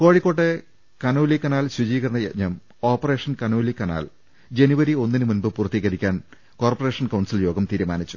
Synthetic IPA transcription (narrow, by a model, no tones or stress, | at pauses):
ko̞ːɻikːo̞ːʈːe | kɐnoːlikːɐnaːlɕid͡ʑiːɣɐɾɐɳɐjeɲːɐm | o̞ːpːɐre̞ːʂɐnkɐnoːlikɐna̰ːl | d͡ʑe̞nuʋɐɾio̞nːinɨmunbɨpurɐt̪ːiɣɐɾikʲːaːn | ko̞ːrpɐre̞ːʂɐnkɐwɳsiljo̞ːɡɐmt̪iːɾumaːnit͡ɕːu